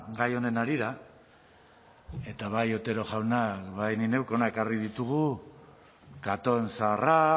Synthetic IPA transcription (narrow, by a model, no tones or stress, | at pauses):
ɡajo̞ne̞naɾiɾa | e̞t̪aβajo̞t̪e̞ɾo̞ʝawnakβajnine̞wkeo̞nae̞karið̞it̪uɣu | kat̪o̞nsara